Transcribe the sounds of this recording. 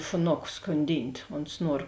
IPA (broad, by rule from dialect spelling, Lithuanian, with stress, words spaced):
ʃʊˈnoːkʊ skoːnʲˈdʲiːnʲtʲ oːns ˈnuɔr